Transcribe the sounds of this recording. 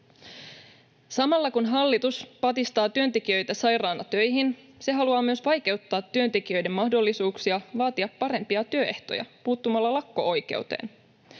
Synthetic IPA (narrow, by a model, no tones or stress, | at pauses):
sɑmɑlːɑkunɦɑlːit̪uspɑt̪ist̪ɑːt̪yønt̪e̞k̟iø̞jt̪æsɑjɾɑːnɑt̪ø̞jɦin | se̞ɦɑluɑːmyø̞sʋɑjke̞wt̪ːɑːt̪ːyø̞nt̪e̞k̟iø̞jde̞mːɑhdo̞lːisuːksiɑʋɑːt̪iɑpːɑɾe̞mpiɑt̪yøe̞ht̪o̰jɑ̰puːt̪ːumɑlːɑlɑkːo̞̰ojke̞̰ut̪ḛːn